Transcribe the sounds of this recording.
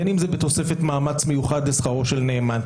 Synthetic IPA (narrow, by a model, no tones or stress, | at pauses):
enimzebet̪o̞se̞fet̪maːmat͡smejuχad̪lesχaʁo̞ʃelneːman